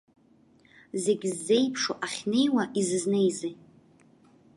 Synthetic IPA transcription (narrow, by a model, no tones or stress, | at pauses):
ze̞ɡʲzːe̞jpʰʂoʔaχʲne̞jwaʔizɨzne̞jzi